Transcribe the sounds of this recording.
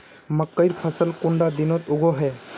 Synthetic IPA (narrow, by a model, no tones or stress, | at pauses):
məkːəjɾpʰəsəlkuɳɖad̪inɔt̪uɡɔɦɛ